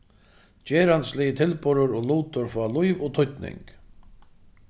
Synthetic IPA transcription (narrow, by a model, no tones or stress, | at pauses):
t͡ɕeːɾanslɪjɪt̪ʰɪlpɔɾʊɾɔɣluːt̪ʊɾfalʊjvɔt̪ʰʊt̪nɪ̰ŋk